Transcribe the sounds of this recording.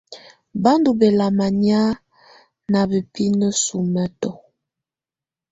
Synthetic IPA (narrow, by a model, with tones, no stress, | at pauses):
ba˦ndu˨be˨la˨ma˨nja˦ | na˨bə˨pi˦nə˦su˨mə˦tɔ˨